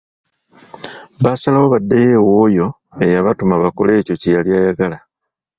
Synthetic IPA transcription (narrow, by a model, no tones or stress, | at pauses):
βasalawoβadːejewojo̞ | e̞jaβatumaβako̞le̞ːco̞cejaljaːjaɡala